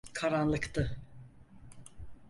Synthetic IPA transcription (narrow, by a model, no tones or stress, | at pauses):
kʰaɾanlˠɯkt̪ʰɯ